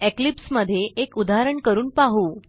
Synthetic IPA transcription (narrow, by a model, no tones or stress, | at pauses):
eklipsməd̪ʱːjeʔekud̪aɦɾəɳkəɾuːnpaɦuː